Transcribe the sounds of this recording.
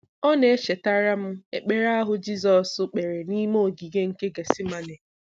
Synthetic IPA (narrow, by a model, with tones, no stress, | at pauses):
ɔ˦ne˨e˦ʃe˨ta˦ɾa˦m̩˦ḛ˨k͡pe˨ɾa˦a˦ɦʊ˦d͡ʒi˦z̬ɔ˨sʊ˨k͡pe˨ɾe˨ni˦mo˦o˨ɡi˨ɡe˦ŋ̩˦ke˦ɡe˨si˦ma˨ne˨